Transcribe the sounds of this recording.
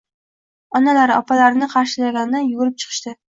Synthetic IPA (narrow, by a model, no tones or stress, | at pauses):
ɒnalaɾɒ̰pʰalaɾɪnɪqʰɑɾʃɪlaɡʲand̪ɪnjʊɡʊɾɪp̚t͡ʃʰɨ̥qʰɨ̥ʃt̪ɪ